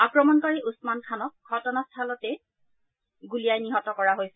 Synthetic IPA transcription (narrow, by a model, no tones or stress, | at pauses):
akɹɔmɔnkɔɹiʔusmankʰanɔk̚ɡʱɔtɔnastʰalɔtɛ | ɡulijajniɦɔtɔkɔɹaɦojsɛ